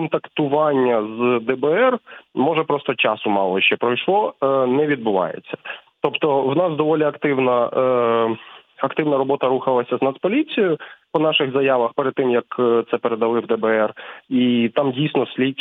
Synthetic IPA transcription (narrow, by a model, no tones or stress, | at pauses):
kɔnt̪ɐkt̪ʊʋɑnʲːɐzd̪ɛbɛɛrmɔʒɛpɾɔst̪ɔt͡ʃɑsʊmɑlˠɔʃt͡ʃɛpɾɔjʃlˠɔnɛʋʲid̪̚bʊʋɑ̰jḛt͡sʲːɐ̥t̪ɔpt̪ɔwnɑsd̪ɔʋɔlʲiɐkt̪ɪwnɐ | ɐkt̪ɪwnɐɾɔbɔt̪ɐɾuxɐlˠɐsʲɐznɐspɔlʲit͡sʲijʊpɔnɑʃɪɣzɐjaʋɐxpeɾed̪̚t̪ːɪmjɐkt̪sɛpeɾed̪ɐlˠɪwd̪ɛbɛɛrit̪ɑmdʲijsʲnɔsʲlʲi